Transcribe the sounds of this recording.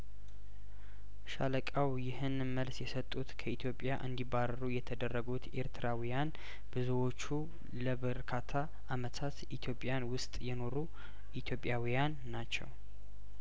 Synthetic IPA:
ʃa̰ləkʼawjɪhɨn | məlsjɛsət̪ʼːut̪kʰəit̪ʰjo̞pʼjaʔɨnd̪ibːaɾəɾujɛt̪ʰəd̪ərːəɡut̪e̞̰ɾt̪ʰɨɾawijan | bɨzuwo̞t͡ʃːu | ləβəɾkʰat̪ʰa | ʔːmət̪ʰat̪ʔit̪ʰjo̞pʼjanwʊst̪ʼjɛno̞ɾu | ʔit̪ʰjo̞pʼjawijanːat͡ʃːɛ̰w

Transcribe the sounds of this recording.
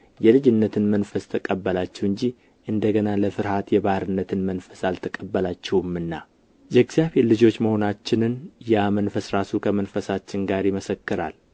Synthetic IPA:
jɛlɨd͡ʒɪnːət̪ʰɨnmənfəst̪ʰəkʼəbːəlat͡ʃːɛhɨɲd͡ʒi | ʔɨnd̪əɡənaləfɨɾhat̪jɛβahɾɨnːət̪ʰɨnmənfəsalt̪ʰəkʼəbːəlat͡ʃːɛwɨmːɨnːa | jɛɡzjaheɾlɨd͡ʒo̞t͡ʃːməho̞nat͡ʃːɪnɨnjamənfəsɾasukʰəmənfəsat͡ʃːɪnɡaɾiməsəkːɨɾa̰l

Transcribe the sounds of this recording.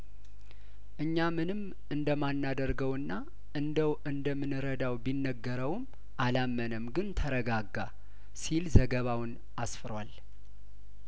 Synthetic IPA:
ʔɨɲːamɨnɨm | ɨnd̪əmanːad̪əɾɡəwɨnːa | ʔɨnd̪əwʔɨnd̪əmɨnɨɾəd̪awbinːəɡːəɾəwm | ʔalamːənəmɡɨnt̪ʰəɾəɡaɡːa | silzəɡəβawɨn | asfɨɾwal

